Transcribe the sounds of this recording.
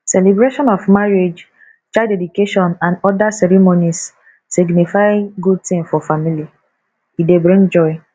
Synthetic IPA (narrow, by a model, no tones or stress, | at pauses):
sɛlibɾeʃɔ̃nɔfmaɹed͡ʒ | t͡ʃadɛdukeʃɔ̃nãnɔdasɛɾimonis | siɡnifaɪɡud̚tĩmfɔfamili | idebɹĩŋd͡ʒɔɪ